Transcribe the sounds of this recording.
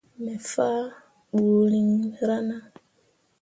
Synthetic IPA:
mɛ˨faː˦ | ɓu˨li˨ŋɾa˦na˦

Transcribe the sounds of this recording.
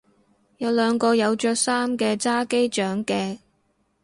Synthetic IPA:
jɐ˨˧wlœː˨˧ŋkɔː˧jɐ˨˧wt͡ʃœː˧k̚saː˥mkɛː˧t͡saː˥ke˥jt͡ʃœː˨˥ŋkɛː˧

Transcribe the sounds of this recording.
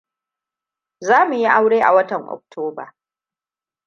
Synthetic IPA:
zaː˦mu˨ji˦ʔa˦wɽeː˦ʔa̰˨wɐ˦tɐ˨ŋʔɔ̰˨k̚tʰoː˦ba̰˨

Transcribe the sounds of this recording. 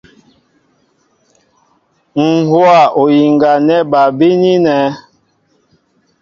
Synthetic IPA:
ŋ̩˨hwa˦˨ʔo˨ji˨ŋɡa˨nɛ˦ba˨bi˦ni˦nɛ˨˦

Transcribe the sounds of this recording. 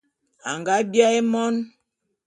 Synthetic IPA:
a˨ŋɡa˦bja˦e˦mɔ˦n

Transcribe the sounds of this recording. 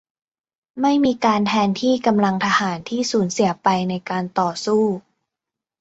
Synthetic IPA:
ma˥˩jmiː˧kaː˧nt̪ʰɛː˧nt̪ʰiː˥˩ka˧mla˧ŋt̪ʰa˧haː˩˦nt̪ʰiː˥˩suː˩˦nsi˨˩˦ɐpa˧jna˧jkaː˧nt̪ɔː˨˩suː˥˩

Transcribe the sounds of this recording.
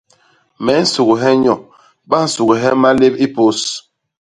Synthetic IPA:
mɛ˨˦n̩˦su˨ɣu˨ɦɛ˦ɲɔ˨ | ba˦n̩˨su˨ɡu˨ɦɛ˦ma˦le˦pi˦po˦s

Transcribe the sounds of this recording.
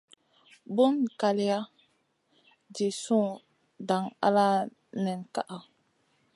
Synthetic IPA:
bu˦nka˨li˦a˦ | di˨sũ˦ŋ | da˨ŋa̰˦la˦ | nɛ˨nka̰˦ʔa˨

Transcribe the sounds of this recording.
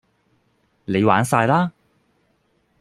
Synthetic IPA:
le˨˧jwaː˨˥nsaː˧jlaː˥

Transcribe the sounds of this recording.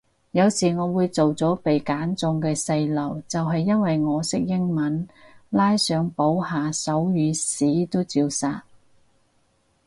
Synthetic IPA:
jɐ˨˧wsiː˨˩ŋɔː˨˧wuː˨˧jt͡so˨wt͡sɔː˨˥pe˨jkaː˨˥nt͡sʊ˧ŋkɛː˧sɐ˧jlɐ˨˩wt͡sɐ˨wɦɐ˨jːɐ˥nwɐ˨jŋɔː˨˧sɪ˥k̚jɪ˥ŋmɐ˨˥nlaː˥jsœː˨˧ŋpo˨˥whaː˨sɐ˨˥wjyː˨˧siː˨˥t̪o˥wt͡siː˧wsaː˨t̚

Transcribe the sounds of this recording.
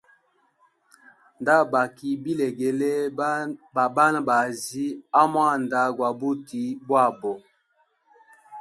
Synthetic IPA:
nda˦ba˨ki˨bi˦le˨ɡe˨le˦˨ | ba˦na˦ba˨zi˦a˦mwa˦˨nda˦ɡwa˨bu˦ti˨˦bwa˦˨bɔ˨

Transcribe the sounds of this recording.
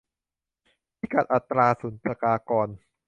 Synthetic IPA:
piː˦˩ka˨˩t̪̚ʔa˨˩t̪ːɾaː˧suː˩˦npɾa˧kaː˧kɔː˧n

